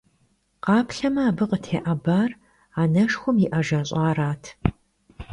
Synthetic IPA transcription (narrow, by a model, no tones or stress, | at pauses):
qɑːpʰɬɐmɐaːbɨqətʰeːʔɐbaːr | aːnɐʂxʷʊmjɪʔɐʒɐɕʼɑːraːtʰ